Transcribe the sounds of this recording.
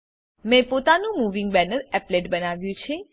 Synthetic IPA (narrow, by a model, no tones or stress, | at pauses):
mẽpot̪anũmuʋĩŋɡbɛnəɾɛpleʈbənaʋjũt͡ʃʰe